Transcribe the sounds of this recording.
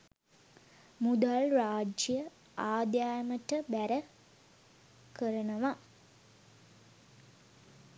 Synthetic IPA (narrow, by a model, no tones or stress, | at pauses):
mud̪alraːd͡ʒjə | aːd̪jaːjəməʈəbæɾə | kəɾənəʋa